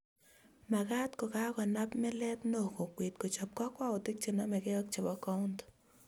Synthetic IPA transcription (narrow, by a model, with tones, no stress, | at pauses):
ma˨ka˦tko˨ka˦kɔ˨na˦pmɛ˦lɛ˦pno˨ko˨kwe˨tko˨t͡ʃɔ˨p̚ka˦kwa˦o˨tɪ˦k̚t͡ʃi˨nɔ˦mɛ˨kɛ˦ɔ˦k̚t͡ʃɔ˨bɔ˨˦kɔ˦ʊ˦nt